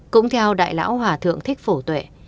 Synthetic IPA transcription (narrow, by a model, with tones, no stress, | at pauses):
kʊ̰˧˥ŋ͡mt̪ʰɛ˧wɗa̰ː˧˨jla̰ː˧˥wɦwaː˨˩t̪ʰɨ̰˧˨əŋt̪ʰï˦˥k̚fo˧˩t̪we˧˩